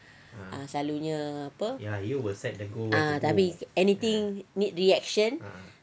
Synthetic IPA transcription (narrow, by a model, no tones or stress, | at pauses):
ʔãslaluɲãapəjajuwisɛt̚dəɡoat̪apiɛnit̪ĩŋnit̪̚ɾiɛk̚ʃə̃n